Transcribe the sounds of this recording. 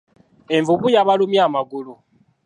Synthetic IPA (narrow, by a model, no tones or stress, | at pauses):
e̞ɱvuβujaβalumjaːmaɡulu